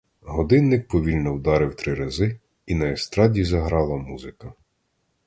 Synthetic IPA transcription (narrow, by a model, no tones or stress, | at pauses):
ɦɔd̪ɪnːɪk̚pɔʋʲilʲnɔwd̪ɑɾɪwt̪ɾɪɾɐzɪ | inɐest̪ɾɑdʲizɐɦɾɑlˠɐmuzɪkɐ